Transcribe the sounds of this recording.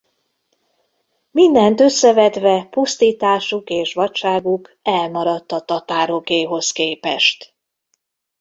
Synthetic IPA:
mind̪ɛnt̪ø̞sːɛvɛd̪ʋɛpust̪iːt̪aːʃukeːʃʋɒtt͡ʃaːɡukɛlmɒɾɒt̪ːɒt̪ɒt̪aːɾoɡeːɦo̞skeːpɛʃt̪

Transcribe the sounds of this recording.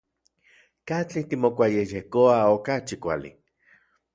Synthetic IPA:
kat͡ɬit̪imokʷajejehkoaokat͡ʃikʷalḭ

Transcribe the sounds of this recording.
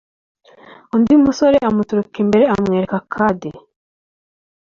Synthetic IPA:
ondimusoɾeamutuɾukembe̞ɾeamŋeːɾekakʰade

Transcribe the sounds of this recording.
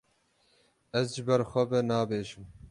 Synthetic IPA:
ɛzʒɪbɛɾxʷɛbɛnɑːbeːʃɨm

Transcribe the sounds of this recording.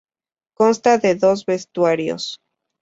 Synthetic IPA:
ko̞nst̪aðe̞ðo̞zβe̞st̪waɾjo̰s

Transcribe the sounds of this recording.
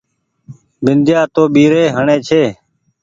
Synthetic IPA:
bɪnd̪ʱjaːt̪oːɓiːɾeːɦəɳẽːt͡ʃʰeː

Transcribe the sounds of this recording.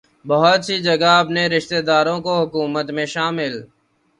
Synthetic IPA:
bəɦət̪siːd͡ʒəɡaəpneːɾɪʃt̪eːd̪aːɾõːkoːɦʊkuːmət̪mẽːʃaːmɪl

